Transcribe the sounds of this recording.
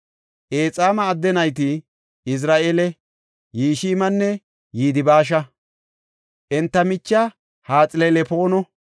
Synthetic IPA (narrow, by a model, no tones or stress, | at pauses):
ʔeːt͡sʼaːmɐːd̪ːɛnɐjt̪̬ɪ | ɪs̬ɾaːʔeːlɛ | jiːʃiːmɐnːɛ | jiːd̪ɪbaːʃ̬ɐ | ʔɛnt̪ːɐmɪt͡ʃːɐ | haːt͡sʼɪlelɛpoːnɔ